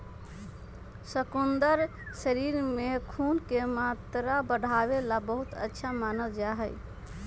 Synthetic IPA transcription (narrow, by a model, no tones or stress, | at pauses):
səkund̪əɾ | səɾiɾmekʰunkemat̪ɾabəɽʱabelabəɦut̪ə̰tːʃʰamanəld͡ʒaɦəj